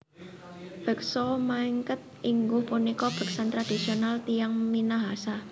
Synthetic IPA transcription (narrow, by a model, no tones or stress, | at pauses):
b̥ə̤k̚sɔmaiŋkət̪̚iŋɡʊhpunikɔb̥ə̤k̚sant̪ɾad̪̥i̤sionalt̪ijaŋminaɦasa